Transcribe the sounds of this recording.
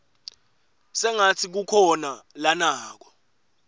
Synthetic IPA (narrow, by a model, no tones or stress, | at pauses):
sɛŋat͡sʰik̬ukʰɔnalanaːk̬ɔ̥